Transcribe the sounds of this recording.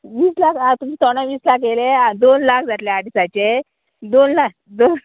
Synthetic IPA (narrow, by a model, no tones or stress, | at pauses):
ʋiːslakat̪umiːt̪ɔɽ̃aʋiːslakelead̪onlakʰd͡zat̪leaɽisat͡ɕe | d̪onlak̚ | d̪on